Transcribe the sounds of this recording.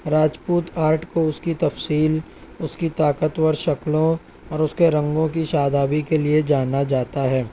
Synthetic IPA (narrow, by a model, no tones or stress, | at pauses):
ɾaːd͡ʒpuːt̪aːɾʈkoʊskit̪ɐfsiːl | ʊskit̪aːkət̪wəɾʃɐklõ | ɔːɾʊskeɾɐ̃ŋɡõkiʃaːd̪aːbikelied͡ʒaːnad͡ʒaːt̪aɦɛː